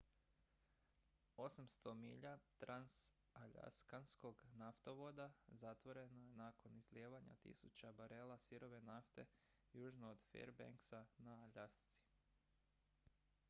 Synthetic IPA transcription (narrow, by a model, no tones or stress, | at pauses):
o̞samst̪o̞miːʎat̪ɾans | aʎa̰skansko̞ɡnaft̪oʋo̞d̪azat̪ʋo̞ɾe̞noje̞naːko̞nizljeːʋaɲa̰t̪ḭsut͡ɕabaɾelˠasiɾo̞ʋe̞naft̪e̞̰ | juːʒnood̪fḛɾbḛŋksanaaʎast̪si̥